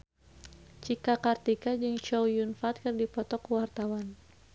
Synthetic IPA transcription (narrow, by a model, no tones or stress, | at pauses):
t͡ʃikakart̪ikad͡ʒɨŋt͡ʃɔwjunfat̪̚kɨrdipɔt̪ɔkuwart̪awan